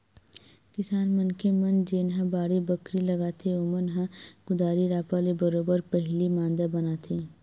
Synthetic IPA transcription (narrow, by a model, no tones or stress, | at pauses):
kɪsaːnmɐnkemɐnd͡ʒeːnɦãbaːɽibɐkɾilɐɡaːt̪ʰeomənɦãɡ̥ʊd̪aːɾiɾaːpaːlebɐɾoːbəɾpɛɦlimãːnd̪abɐnat̪ʰeː